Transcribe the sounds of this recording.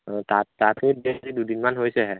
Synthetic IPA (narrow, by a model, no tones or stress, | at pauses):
tatatebɛazidudinmanɦojsɛɦɛ